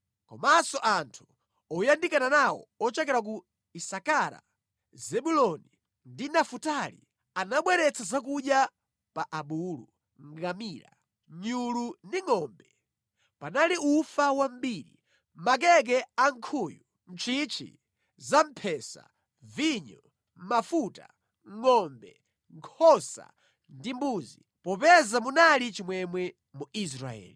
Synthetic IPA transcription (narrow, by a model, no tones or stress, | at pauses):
kɔ̰masɔʔantʰu̥ | ɔjandikananawɔ̰ɔt͡ʃɛkɛɾak̬u | isakaɾa̰ | zɛɓulɔni | ndinafutalḭ | anaɓwɛɾɛt͡sʰazak̬uɗja | paʔaɓulu | ŋɡamiːɾa̰ | ɲulundiŋɔmbɛ | panaliufawam̩biːɾḭ | mak̬ɛk̬ɛaŋ̩kʰuːju | n̩t͡ʃʰit͡ʃʰḭ | zampʰɛsa̰ | viɲɔ | mafuta̰ | ŋɔmbɛ | ŋkʰɔsa̰ | ndimbuːzi | pɔpɛzamunalit͡ʃimwɛmwɛ | muis̬ɾa̰ɛ̰ːli